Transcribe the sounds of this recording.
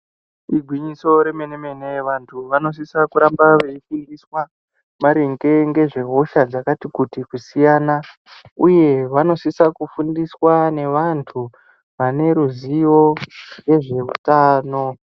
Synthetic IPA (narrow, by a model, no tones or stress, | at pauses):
iɡʱwiɲiso̞ɾe̞meneme̞neʋantʰuʋano̞s̬isakuɾambaʋe̞ifundiswa | maɾeŋɡe̞ŋɡe̞ʐe̞ɦo̞ʃad͡zakatikutikusijaːna | uje̞ʋano̞sisakufundiswane̞ʋantʰu | ʋane̞ɾuzijo̞ŋɡe̞ʐe̞ṵtaːno̞